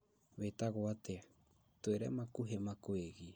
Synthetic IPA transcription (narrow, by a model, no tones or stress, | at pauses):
βet̪aɣoat̪e | t̪weɾemakuɦemakweɣi